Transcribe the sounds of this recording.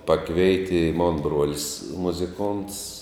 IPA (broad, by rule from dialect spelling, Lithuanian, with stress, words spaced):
ˈpɑːkʋʲɛɪtʲɪ ɪ moːn ˈbroːlʲɪs mʊzʲɪˈkoːnts